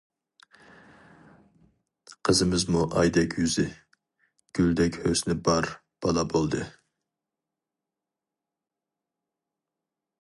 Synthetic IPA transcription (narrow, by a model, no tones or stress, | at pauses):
qʰəzɨmɨzmuʔɑ̰jd̪ɛkʲʰjyzɪ | ɡ̥ʲyld̪ɛkʲhøsnɪbɑɾ | b̥ɑlˠɑbolˠd̪ɨ